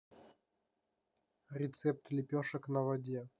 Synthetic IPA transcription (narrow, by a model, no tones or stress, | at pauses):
ɾʲɪt̪sɛp̚t̪lʲɪpʲoʂəknəvɐdʲe